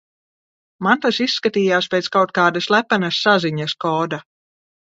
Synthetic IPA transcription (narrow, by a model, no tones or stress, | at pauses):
mant̪asisːkat̪iːjaːspʲejt̪skawt̪̚kaːd̪aslˠæpanasːaziɲaskɔːd̪a